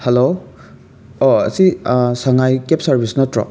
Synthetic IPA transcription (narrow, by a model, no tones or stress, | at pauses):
helo | oɐ̰sisaŋajkepsɐɾbʱisnotɾɔ̰